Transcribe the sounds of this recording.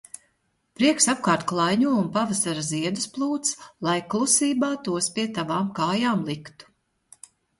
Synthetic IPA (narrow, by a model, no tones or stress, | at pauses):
pɾiɛksap̚kaːɾt̪klˠajɲuɔunpavasaɾaziɛd̪usplˠuːt̪slˠajklˠusiːbaːt̪uɔspʲiɛt̪avaːmkaːjaːmlˠikt̪u̥